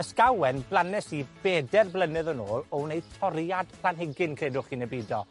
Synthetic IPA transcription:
əskawɛnblˠanɛsib̥ɛːdɛrblˠənɨðənoːlˠɔnejtʰɔrjad̥pʰlˠanhɪɡɪnkʰreːdʊχinɛbidɔ

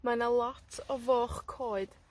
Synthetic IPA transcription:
manalˠɔtʰɔvoːχkʰoːɨd̥

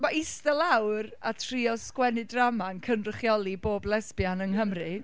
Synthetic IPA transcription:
maɪstɛlˠawra̰tʰriɔskwɛnɨdramankʰənrəχjɔlˠiboːblˠɛspjanənɦəmrɨ

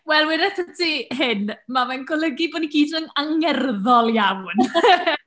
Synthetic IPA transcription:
wɛlˠwiɾɛθətiɦɪnmamanɡɔlˠəɡibɔniɡiːdəŋaŋɛrðɔlˠjawn

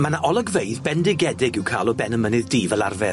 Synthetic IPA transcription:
manaʔɔlˠəɡvejðbɛndɪɡɛdɪɡɪwkʰaːlˠɔbɛnəmənɨðdiːvɛlˠa̰rvɛ

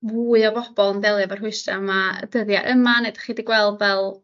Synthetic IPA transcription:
vuːɨɔvɔb̥ɔlˠənbɛlˠɨavər̥hʊɨstamaə̰dəðjaʔəmanedḁχiːdiɡwɛlˠdvɛlˠ

